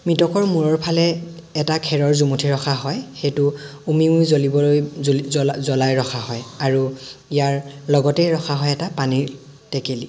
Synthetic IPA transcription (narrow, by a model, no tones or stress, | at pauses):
mitɔkɔɹmuɹɔɹpʰalɛː | takʰɛɹɔɹzumutʰiɹɔxaɦɔjxejtʊumiujzolibɔloj | zɔlajɹɔxʰaɦɔjaɹuijaɹlɔɡɔtɛjɹɔxaɦɔjɛtapaniɹtɛkeli